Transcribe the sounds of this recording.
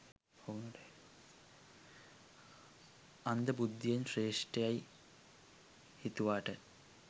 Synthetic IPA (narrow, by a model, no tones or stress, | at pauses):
pʰoɣunːuɽe | ɐnd̪ɐbud̪ʱːijɐnɕreːʂʈɐjaːji | hit̪ːuʋaːʈːɐɾ